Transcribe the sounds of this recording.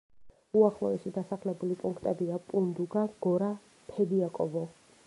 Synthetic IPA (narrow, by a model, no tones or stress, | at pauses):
uaχlˠɔɛsid̪asaχlɛbulipʼuŋkʰt̪ʼɛbiapʼund̪uɡaɡ̥ɔɾa | p̪ʰɛd̪iakʼɔvɔ